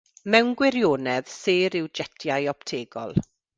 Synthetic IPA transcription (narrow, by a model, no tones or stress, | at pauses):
mɛwnɡwɛɾjoːnɛð̥seːɾɪwd͡ʒɛtʰjajɔptʰeːɡɔ̰lˠ